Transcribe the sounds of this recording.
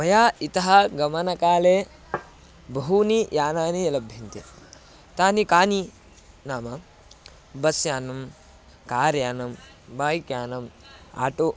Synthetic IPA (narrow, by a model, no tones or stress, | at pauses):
mɐjaːit̪ɐɦɐɡɐmɐnɐkaːleː | bɐɦunijaːnaːniɐlɐbʱjɐnt̪i | t̪aːnikaːni | naːmɐ | bɐsjaːnɐm | kaːɾjaːnɐm | baːjkjaːnɐm | a̰ːʈo